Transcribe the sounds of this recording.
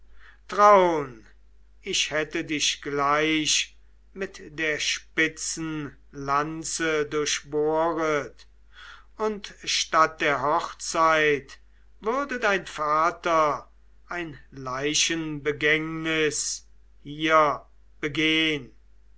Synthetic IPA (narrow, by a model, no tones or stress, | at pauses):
tʁaʊn | ɪʃhɛtədɪʃɡ̥laɪʃ | mɪtdeːɐʃpɪt͡sn̩ | lant͡sədʊɐʃboːʁət | ʊntʃtat̚d̥eːɐɦɔχt͡saɪt | vʏɐdədaɪnfaːtɐ | ʔaɪnlaɪʃənbəɡɛŋnɪs | hiːɐ | b̥əɡeːən